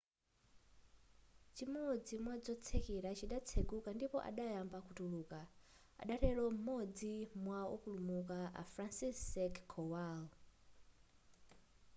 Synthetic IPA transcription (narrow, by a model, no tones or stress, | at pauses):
t͡ʃimɔd͡zimwad͡zɔt͡sʰɛkiɾat͡ʃiɗat͡sʰeɡukandipɔʔa̰ɗajambakutuluka | a̰ɗaɾɛlɔm̩mɔd͡zimwaɔ̰pulumukaa̰fɾansisɛkkʰɔwal